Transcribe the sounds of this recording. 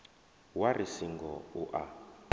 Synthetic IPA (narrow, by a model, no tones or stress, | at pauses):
waɾisiŋɡɔuʔa